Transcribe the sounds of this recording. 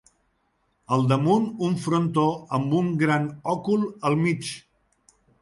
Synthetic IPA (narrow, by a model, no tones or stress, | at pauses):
əlˠd̪əmunuɱfɾont̪oəmbuŋɡɾanɔkulˠəlˠmit͡ʃ